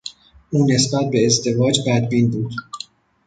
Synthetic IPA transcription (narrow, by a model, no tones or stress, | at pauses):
ʔuːne̞sbæt̪̚be̞ːzd̪e̞vɒːd͡ʒbæd̪biːnbuːd̪̥